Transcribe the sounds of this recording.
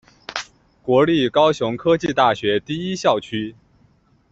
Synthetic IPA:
kwɔ˧˥li˥˩kɑ˥ʊɕjʊ˧˥ŋkʰɤ˥t͡ɕi˥˧t̪a˥˩ɕɥɛ˧˥t̪i˥˩i˥ɕjɑ˥˩ʊt͡ɕʰy˥

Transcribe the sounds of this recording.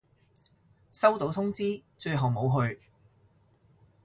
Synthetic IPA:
sɐ˥wt̪o˨˥wt̪ʰʊ˥ŋt͡siː˥t͡ʃɵ˧ɥɦɐ˨wmo˨˥wɦɵ˧ɥ

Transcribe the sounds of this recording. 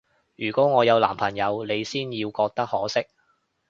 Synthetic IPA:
jyː˨˩kʷɔː˨˥ŋɔː˨˧jɐ˨˧wla̰ː˨˩mpʰɐ˨˩ŋjɐ˨˧wle˨˧jsiː˥njiː˧wkɔː˧k̚t̪ɐ˥k̚hɔː˨˥sɪ˥k̚

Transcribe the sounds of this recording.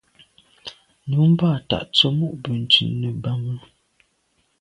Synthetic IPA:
nu˨˦m̩˦baː˦˨ta̰˨ʔt͡so˦mu˦ʔbə˨n˨t͡ʃʉ˨nːə˨ba˦mə˦

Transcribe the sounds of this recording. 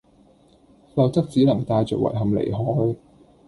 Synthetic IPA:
lɐ˧wt̪ɐ˥k̚t͡siː˨˥nɐ˨˩ŋt̪aː˧jt͡ʃœː˨k̚wɐ̰˨˩jɦɐ˨mlḛ˨˩jɦɔː˨˥j

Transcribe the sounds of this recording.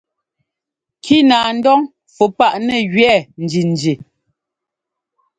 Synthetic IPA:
kʰi˦naː˨n̩˦dɔ˦ŋ | fu˨pa˦˨ʔnɛ˦˨ɣɥɛ˦˨n̩˨d͡ʒi˨n̩˨d͡ʒi˨

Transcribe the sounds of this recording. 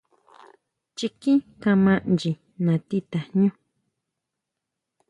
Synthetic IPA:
t͡ʃi˧kĩ˦kã˧mã˧ʔnd͡ʒi˨ | nã˨t̪i˦t̪a˨ɲũ˦

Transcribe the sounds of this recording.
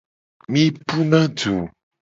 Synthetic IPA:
mĩ˦pu˦nã˦d͡ʒo˨

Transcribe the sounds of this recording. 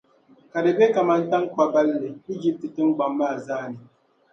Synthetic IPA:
ka˨dɨ˨be˦ka˨ma˦n˦ta˦ŋ˦ka˦ba˦lːɨ˨i˦d͡ʒi˦p̚tɨ˨tɨ˦ŋ˦ɡ͡ba˨mːaː˦˨zaː˦nɨ˨

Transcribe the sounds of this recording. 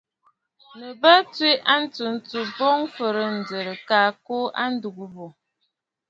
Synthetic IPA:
nə˨bə˦twi˦ʔa˦n̩˦tu˨n̩˦t͡su˨bɔ˦ŋ˦fə˨ɾə˨n̩˨də˨ɾə˨ka˨ko˦ʔa̰˦n̩˦du˨ɡu˦bo˨

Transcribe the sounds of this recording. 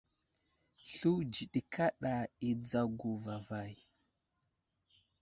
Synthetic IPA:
ɬu˦d͡ʒi˨ɗi˨kʰa˦ɗa˨i˨d͡za˦ɡu˨va˨va˨j

